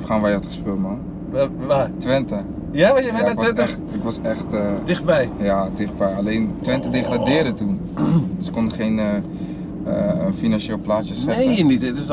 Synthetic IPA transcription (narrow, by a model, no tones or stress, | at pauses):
ɛpχaːnʋajəatχə̥spølˠtman | atʋɪntə | jaʋaɛaɪkʋɛxtɪkʋɔsɛxtədɪxt̚bɛjjadɪx̚bɛjaleːntʋɪntədeχradɪədətun | dsə̥konəχeːnə | finanʃeːlˠplaːtjəsɛenitts